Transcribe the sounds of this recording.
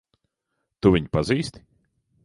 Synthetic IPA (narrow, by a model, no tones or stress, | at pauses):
t̪uvʲiɲʲpaziːst̪ʲi̥